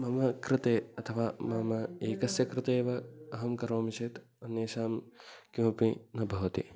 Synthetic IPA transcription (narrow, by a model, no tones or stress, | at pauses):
mɐmɐkɾɪt̪eːɐt̪ʰɐʋaːmɐmɐeːkɐsjɐkɾɪt̪eːʋɐɐɦɐmkɐɾoːmit͡ʃeːt̪ | ɐnjeːʃaːmkjũːpinɐbʱɐʋɐt̪ḭ